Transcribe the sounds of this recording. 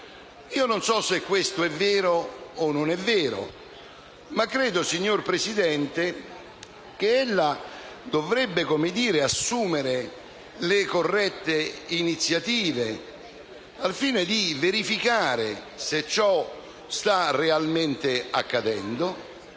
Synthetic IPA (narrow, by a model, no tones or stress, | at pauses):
iːononsɔsekːwest̪ʊɛvːeːɾoːnːʊnɛvːɛːɾo̰ | makːɾɛːd̪ʊsiɲːorpɾesid̪ɛnt̪ɪ | k̟eelːad̪ovɾɛbːɪkomɪd̪iːɾɪasːuːmɪɾe | lɪkorːɛt̪ːeinit̪sːjat̪iːve | alfiːned̪iveɾifikaːɾe | set͡ʃːɔ | st̪arealment̪ɪakːad̪ɛnd̪o